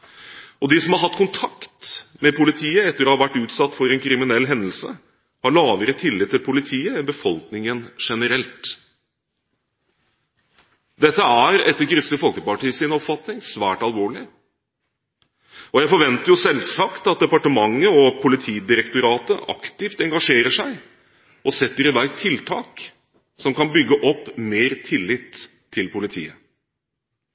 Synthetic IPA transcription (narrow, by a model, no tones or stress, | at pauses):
ɔd̪ɪsɔmhɑɾɦɑt̪ːkʰʊnt̪ʰɑkt̪mɛpʊlɪt̪ʰiːəɛt̪ːəɾɔːhɑɾʋæʈːʉːt̪sɑt̪ːfɔɾɛnkʰɾɪmɪnɛlːɦɛnd̪əl̩sə̰ | hɑɭɑːʋəɾət̪ʰɪlːɪt̪ʰːɪlpʰʊlɪt̪ʰiːəɛnbəfɔlknɪŋənʂɛnəɾɛlt̪ | d̪ɛt̪ːəæɾɛ̰t̪ːəkʰɾʏsəfɔlkəpɑʈiːəsɪnɔpfɑt̪nɪŋsʋæːʈɑlʋoːɭɪ | ɔjæɪfɔɾʋɛnt̪əɾjʊsɛlsɑkt̪ɑt̪̚d̪ɛpɑʈəmɑŋːəɔpʰʊlɪt̪ʰiːd̪ɪɾɛkt̪ʊɾɑːt̪əʔɑ̰kt̪ɪft̪ɛŋɡɑʂeːɾəʂæɪ | ʔɔsɛt̪ːəɾɪʋæɪt̪ʰɪlt̪ʰɑːk | sɔmkɑnbʏɡːəʔɔpːmeːɾt̪ʰɪlːɪt̪ʰː | ɪlpʰʊlɪt̪ʰḭːə